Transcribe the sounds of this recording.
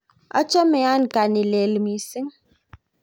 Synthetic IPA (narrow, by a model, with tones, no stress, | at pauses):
a̰˦t͡ʃɔ˦mɛ˨ja˦n˨ka˨ni˨le˨lmi˨si˦ŋ